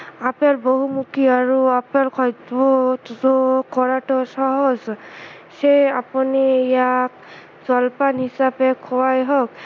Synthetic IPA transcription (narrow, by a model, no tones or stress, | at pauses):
apɛlboɦumukʰiaɹuapɛlkʰɔjdbɔtzɔkɔɹatɔsɔɦɔz | sejapunijak̚ | z̥ɔlpanhisapɛkʰɔwajɦɔk̚